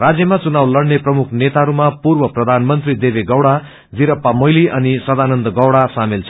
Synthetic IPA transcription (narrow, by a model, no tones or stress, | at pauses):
rad͡zjʌmat͡sunawlʌɽneprʌmukʰnet̪aɾumapurbʌprʌd̪ʱanmʌnt̪rid̪ebeɡʌwɽa | biɾʌpːamʌjliʔʌnisʌd̪anʌnd̪ʌɡʌwɽasamelt͡sʰ